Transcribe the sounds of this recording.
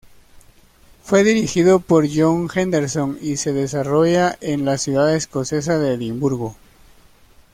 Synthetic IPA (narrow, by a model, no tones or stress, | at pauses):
fwe̞ðiɾixiðo̞po̞ɾʝoŋxend̪eɾso̞ŋise̞ðe̞saro̞ʝaʔenlasjuðaðesko̞se̞saðe̞limbuɾɣo